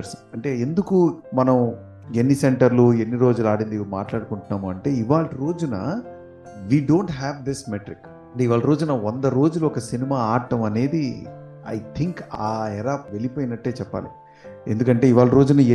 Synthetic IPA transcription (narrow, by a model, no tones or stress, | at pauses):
sɐɳʈe̞ːe̞nd̪ukumɐnɐm | e̞nːiseɳʈɐɾlue̞nːiɾo̞ːd͡ʒulaːɽind̪ima̰ːʈlaːɽukuɳʈunːaːmuɐɳʈe̞ːiʋaːɭɐɾo̞ːd͡ʒunɐ̰ | ʋiːɖoːɳʈɦɛːʋd̪ismeʈɾik | ɐɳʈeːiʋaːɭɐɾo̞ːd͡ʒunɐond̪ɐɾo̞ːd͡ʒuluɔkɐsinimaːaːɾʈɐmɐne̞ːd̪i | ɐ̰jt̪ʰiŋkaːɛɾaːp̚ʋe̞lipoːjnɐʈːe̞ːt͡ʃɛpːa̰ːlḭ | e̞̰nd̪ukɐɳʈe̞ːiʋaːɭɐɾo̞ːd͡ʒunɐ